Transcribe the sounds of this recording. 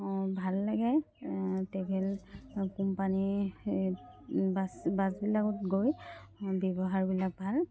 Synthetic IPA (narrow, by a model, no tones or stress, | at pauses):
bʱalːaɡɛ | tɛɡɛlkumpani | basbazbilakʊtɡojbebɔɦaɹbilak̚bʱal